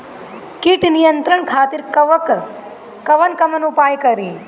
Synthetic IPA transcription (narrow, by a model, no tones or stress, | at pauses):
kiʈnijɐnt̪ɾɐɳkʰaːt̪iɾkɐʋk | kɐʋɐnkɐmɐnupaːjkɐɾi